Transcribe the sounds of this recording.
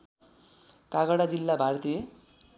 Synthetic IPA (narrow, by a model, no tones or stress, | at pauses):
kaɡʌɽad͡zilːabʱart̪ie